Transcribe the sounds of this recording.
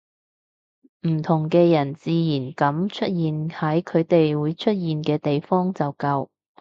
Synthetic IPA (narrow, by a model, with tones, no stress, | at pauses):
m̩˨˩t̪ʰʊ˨˩ŋkɛː˧jɐ˨˩nt͡siː˨˧jiː˨˩nkɐ˨˥mt͡ʃʰɵ˥t̚jiː˨nhɐ˨˥jkʰɵ˨˧ɥt̪e˨jwuː˨˧˥jt͡ʃʰɵ˥t̚jiː˨nkɛː˧t̪e˨jfɔː˥ŋt͡sɐ˨wkɐ˧w